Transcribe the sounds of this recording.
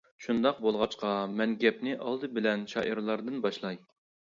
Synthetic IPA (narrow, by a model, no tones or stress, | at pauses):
ʃund̪ɑq̚bolˠʁɑt͡ʃqɑmɛnɡʲɛpnɪʔɑlˠd̪ɨbɪlɛnʃɑ̰ʔiɾlˠɑɾd̪ɨnbɑʃlˠɑj